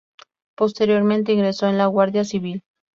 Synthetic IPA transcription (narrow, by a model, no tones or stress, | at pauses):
po̞st̪eɾjo̞ɾmẽnt̪̬e̞iŋɡɾe̞so̞enlaɣwaɾðjasiβil